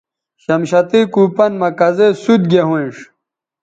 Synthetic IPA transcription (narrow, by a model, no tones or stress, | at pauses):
ɕɐmɕɐt̪ikuːpɐnmɐkɐzesud̪̚ɡeɦũĩʂ